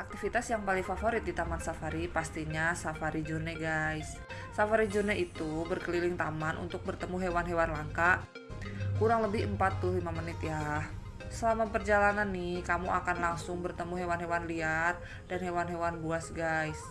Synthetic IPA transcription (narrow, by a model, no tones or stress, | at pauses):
ʔak̚t̪ifit̪asjaŋpalɪŋfafoɾɪt̪̚dit̪amansafaɾipast̪iɲasafaɾid͡ʒurnɛɡajsː | afaɾid͡ʒurnɛit̪ubərkəlilɪŋt̪amanʔṵnt̪ʊk̚bərt̪əmuɦewanɦewanlaŋkaʔ | kuɾaŋləbɪhəmpat̪ːʊlimamənɪt̪jah | səlamapərd͡ʒalananːɪhkamuakanlaŋsʊŋbərt̪əmuɦewanɦewanliar | danɦewanɦewanbuasɡajs